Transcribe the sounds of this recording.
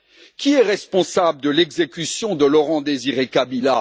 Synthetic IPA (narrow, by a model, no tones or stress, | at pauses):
kʲiɛʁɛspɔ̃sabləd̪əlɛɡzekʲysjɔ̃d̪əlɔʁɑ̃d̪eziʁekabila